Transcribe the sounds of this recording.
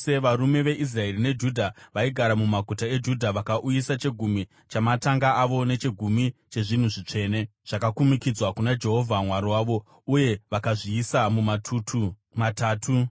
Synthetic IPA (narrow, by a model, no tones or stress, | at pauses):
seʋaɾume̞ʋe̞ʔis̬rae̞rine̞d͡ʒudʱaʋaiɡʱaɾamumaɡʱutae̞d͡ʒudʱaʋakaʔujisat͡ʃe̞ɡʱumi | t͡ʃamataŋɡaːʋo̞ne̞t͡ʃe̞ɡʱumit͡ʃe̞ʐin̤uʐit͡ʂe̞ːne̞ʐ̥akakumikid͡zwakunad͡ʒe̞ɦo̞vʱamwaɾiwaːʋo̞ | uje̞ʋakaʐiːsamumatʰutʰu | mataːtʰu